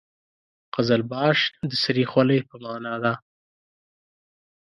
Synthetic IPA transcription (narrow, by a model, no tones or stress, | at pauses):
qazalbɑʃd̪əsaɾixwaləjpəmɑːnɑd̪a